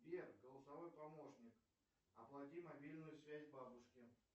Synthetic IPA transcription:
bʲerɡəlˠəsɐvo̞jpɐmo̞ʂnʲɪk | ɐplˠɐtʲimɐbʲilʲnʊjʊsvʲæzʲbabʊʂkʲɪ

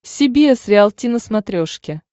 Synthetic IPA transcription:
sʲɪbʲiesɾʲɪalˠt̪ʲinəsmɐt̪ɾʲoʂkʲɪ

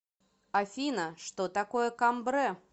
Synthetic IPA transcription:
afʲinəʂt̪ot̪akojəkambɾɛ

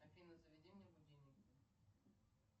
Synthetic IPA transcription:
ɐfʲinəzəvʲɪdʲenʲɪjəbʊdʲivnʲɪk

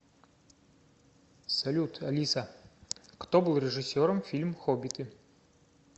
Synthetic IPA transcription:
sɐlʲut̪ʰɐlʲisɐ | kt̪obɨlˠrʲɪʐɨsʲːoɾəmfʲilʲmxobʲit̪ɨ

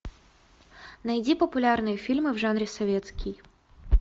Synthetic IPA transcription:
nɐjdʲipəpʊlʲarnɨjəfʲilʲmɨvʐanɾʲɪsɐvʲet̪skʲɪj

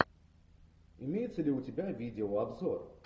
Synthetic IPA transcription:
ɪmʲejɪt̪səlʲɪʊtʲɪbʲavʲidʲɪoabzor

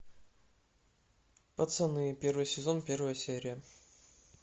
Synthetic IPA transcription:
pət̪sənɨpʲervɨjsʲɪzonpʲe̞rvəjəsʲeɾʲɪjə

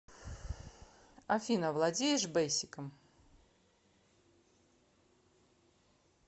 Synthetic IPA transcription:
ɐfʲinəvlˠɐdʲejɪʂbejsʲɪkəm

